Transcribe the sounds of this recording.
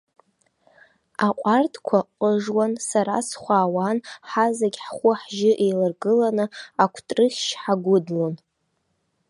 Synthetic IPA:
aqʷʼartʰkʷʰaqʼəʐwansaɾa̰sχʷaːwanħazaɡʲħχʷʊħʒɪʔejlarɡɨlanɨakʷʰtʼrɨχʲʃħaɡʷʊdlon

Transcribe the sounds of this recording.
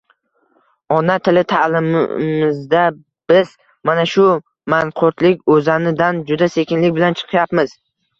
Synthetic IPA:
ɒnat̪ʰɪlɪt̪ʰalɪm̰mɪzd̪a | b̥ɪz̥ | manaʃʊ | manqʰoɾt̪lɪkʲɵzanɪd̪and͡ʒʊd̪ase̞kʲɪnlɪk̚ʲbɪlant͡ʃʰɨ̥qʰɨjapmɪz̥

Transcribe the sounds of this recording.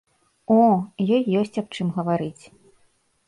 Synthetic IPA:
ɔjɔjːɔsʲt͡sʲap̚t͡ʂɨmɣɐvaɾɨt͡sʲ

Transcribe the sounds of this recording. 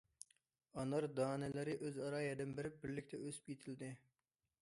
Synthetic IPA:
ɑnɑɾd̪ɑːnɛlɪɾɪʔøzɑɾɑːjɛd̪ɨnbɪɾɪp̚bɪɾlɪkʲt̪ʰɛʔøsy̥p̚kʲʰet̪ʰɪld̪ɪ

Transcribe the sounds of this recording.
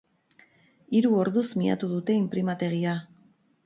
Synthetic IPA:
iɾuo̞ɾðuzmia̰t̪uðut̪e̞impɾimat̪e̞ɣ̞ia

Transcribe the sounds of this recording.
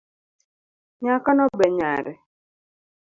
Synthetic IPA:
ɲakanɔbɛɲaɾɛ

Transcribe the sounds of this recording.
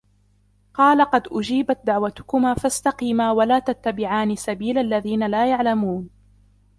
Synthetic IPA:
qɑːlaqɑd̪ʔʊd͡ʒiːbat̪̚d̪aʕwat̪ʊ̥kʊmaːfast̪ɑqiːmaːwalaːt̪at̪ːabɪʕaːnisabiːlʔalːaðiːnalaːjaʕlamuːn

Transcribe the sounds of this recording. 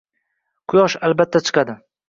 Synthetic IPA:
qʰʊjɒʃalbat̪ʰːat͡ʃʰɨ̥qɑd̪ɪ

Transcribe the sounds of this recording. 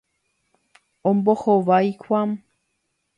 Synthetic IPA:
õmbohoʋajkʷam

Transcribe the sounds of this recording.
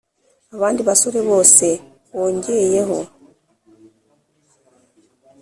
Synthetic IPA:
aβaːndiβasoɾeβo̞ːse̞ | βoːɲɟeje̞ho̞

